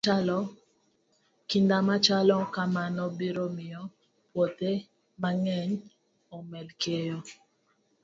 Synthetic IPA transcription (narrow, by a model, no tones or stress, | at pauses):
alɔ | kindamat͡ʃalɔkamanɔbiɾomɪjɔ | pwot̪e | maŋɛɲ | ɔmɛlkʰejɔ